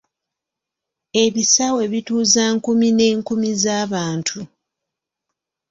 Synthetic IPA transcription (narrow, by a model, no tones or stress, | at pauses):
e̞βisawe̞βituːzaːŋkumine̞ːŋkumizaːβaːntʰu